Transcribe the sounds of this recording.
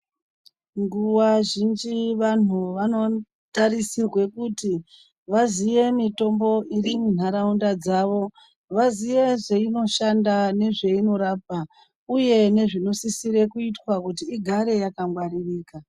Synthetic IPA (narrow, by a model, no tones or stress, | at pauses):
ŋɡuwaʒind͡ʒiʋan̤uʋano̞ | taɾisirwe̞kuti | ʋaziʋe̞mito̞mbo̞ʔirimun̤aɾaundad͡zaʋo̞ | ʋaziʋe̞ʐeino̞ʃandane̞ʐe̞ino̞ɾap̚a | uje̞ne̞ʐino̞sisiɾe̞kuitwakutiːɡʱaɾe̞jakamɡwaɾiriːka